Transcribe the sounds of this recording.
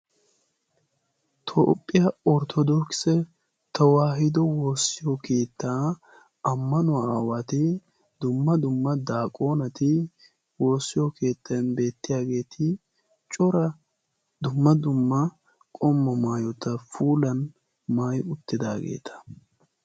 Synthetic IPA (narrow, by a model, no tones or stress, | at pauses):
t̪ʰo̰ːpʼːɪjɐɔɾt̪ʰɔd̪ɔksɛ | t̪ʰɐwaːɦɪd̪ɔwo̞ːsːɪjɔkʰeːt̪ːaː | ɐmːɐnʊawat̪ɪ | d̪ʊmːɐd̪ʊmːɐd̪aːkʼo̞ːnɐt̪ɪ | wo̞ːsːɪjɔke̞ːt̪ːɐjnbe̞ːt̪ːɪjaːɡe̞ːt̪ʰɪ | t͡ʃʼɔɾɐ | d̪ʊmːɐd̪ʊmːɐ | kʼɔmːɔmaːjɔt̪ɐfuːlɐn | maːjʊt̪ːɪd̪aːɡḛːt̪ʰɐ̥